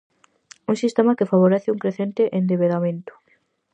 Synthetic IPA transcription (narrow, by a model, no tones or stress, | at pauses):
uŋsist̪emakɪfaβ̞oɾɛθɪuŋkɾeθent̪ɪʔend̪eβeðamẽnt̪ʊ̥